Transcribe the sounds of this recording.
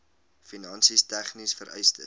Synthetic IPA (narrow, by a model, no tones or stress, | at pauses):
finɐnsistæχnisfəɾʔɛ̰jstə̰